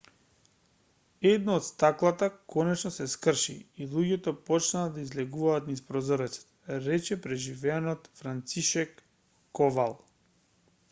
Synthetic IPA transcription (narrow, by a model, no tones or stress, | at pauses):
ɛd̪naːt̪st̪aklˠat̪akɔnɛt͡ʃnɔsɛskr̩ʃḭːlˠuɟɛt̪ɔpɔt͡ʃnaːd̪aizlɛɡuvaːt̪nispɾɔzɔɾɛt̪sḁt̪ɾɛt͡ʃɛpɾɛʒivɛanɔt̪fɾant̪siʃɛkː | ɔvalˠ